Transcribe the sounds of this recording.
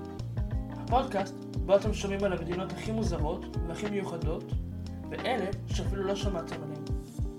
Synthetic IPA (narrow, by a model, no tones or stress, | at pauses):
hapo̞dkast | bo̞at̪e̞mʃo̞mimalamed̪ino̞thaχimuzaʁo̞teaχimejuχado̞t | veʔe̞le̞ʃeafilulo̞ʃamat̪emanim